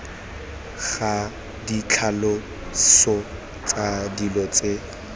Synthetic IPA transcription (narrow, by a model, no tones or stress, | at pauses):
ɣa | dit͡ɬʰalɔ | sɔ | t͡sʼadilɔt͡sʼe